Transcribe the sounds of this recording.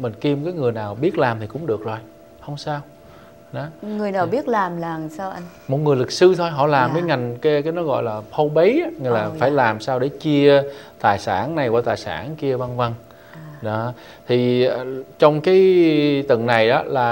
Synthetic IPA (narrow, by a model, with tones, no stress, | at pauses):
mï˨˩ŋ̟ki˧mkaː˨˦jŋɨ˨˩əjnaː˨˩wɓi˦˥ət̚laː˨˩mt̪ʰi˨˩kʊ̰˧˥ŋ͡mɗɨ˨˩ək̚zo˨˩j | hə˧wŋ͡msaː˧w | ɗɔ˨˦ŋɨ˨˩əjnaː˨˩wɓi˦˥ət̚laː˨˩mlaː˨˩saː˧wʔa˧j | mo˨˩t̚ŋɨ˨˩əjlɨ˨˩k̚sɨ˧t̪ʰo˧jɦɔ̰˧˨laː˨˩mvəː˨˦jŋa˨˩jŋ̟ka˨˦kaː˨˦jnɔ˨˦ɣɔ̰˧˨jlaː˨˩pʰə˧wɓə˨˦jʔa˨˦ŋ˧˩laː˨˩faː˧˩jlaː˨˩msaː˧wɗe˧˩t͡ɕi˧ət̪aː˨˩jsaː˧˩nna˨˩jkwaː˧˩t̪aː˨˩jsa̰ː˧˩˨nki˧əva˧nvə˧n | ɗɔ˨˦ | t̪ʰi˨˩˨t͡ɕɔ˧wŋ͡mkaː˨˦jt̪ə˧˨˩ŋna˨˩jɗɔ˨˦laː˨˩